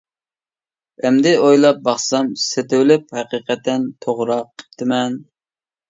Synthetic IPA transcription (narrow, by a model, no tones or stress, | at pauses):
ɛmd̪ɪojlˠɑp̚bɑχsɑmset̪ɪwlɪphæqiqɛt̪ːɛnt̪ʰoʁɾɑqʰːə̥p̚t̪ʰɨmɛn